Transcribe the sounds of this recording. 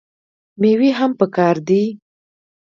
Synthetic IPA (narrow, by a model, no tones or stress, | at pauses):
mewiɦampəkɑɾd̪i